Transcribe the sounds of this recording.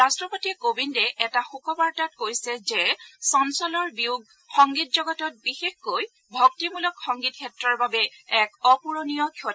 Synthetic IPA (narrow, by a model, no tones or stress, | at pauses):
ɹastɹɔpotikobindɛʔɛtaxukɔbaɹtat̚kojsɛzɛsɔnsɔlɔɹbiuɡ̚ | xɔŋɡitzɔɡɔtɔt̚bixexkoj | bʱɔk̚timulɔkxɔŋɡit̚kʰɛtɹɔɹbabɛɛkɔpuɹonijɔkʰɔ